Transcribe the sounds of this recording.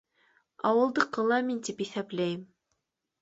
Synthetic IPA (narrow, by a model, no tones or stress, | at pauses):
ɑ̰wɤ̆lˠd̪ɤqɤ̆lˠɑmint̪ipiθæplæjɘm